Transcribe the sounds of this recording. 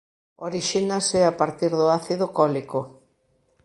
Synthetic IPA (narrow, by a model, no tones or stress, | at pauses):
oɾiʃinasɛapaɾt̪iɾðʊaθiðʊkɔliko